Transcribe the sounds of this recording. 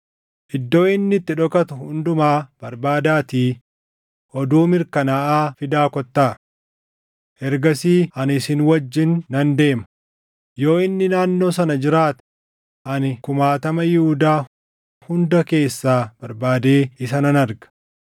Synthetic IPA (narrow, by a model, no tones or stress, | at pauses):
ʔɪd̪ːo̞ːɪnːɪt̪ːɪᶑɔkɐt̪ʊhʊnd̪ʊmaːb̥ɐɾbaːd̪aːt̪iː | ʔɔd̪uːmɪɾkɐnɐʔaːfɪd̪aːkɔt̪ːaː | ʔɛɾɡɐsiːʔɐnɪsɪnwɐd͡ʒːɪnːɐnd̪e̞ːmɐ̥ | jo̞ːɪnːɪnaːnːo̞ːsɐnɐd͡ʒɪɾaːt̪ | ʔɐnkʊmaːt̪ɐmɐjɪhʊd̪aː | hʊnd̪ɐke̞ːsːaːb̥ɐɾbaːd̪e̞ːɪsɐnɐnɐɾɡɐ̥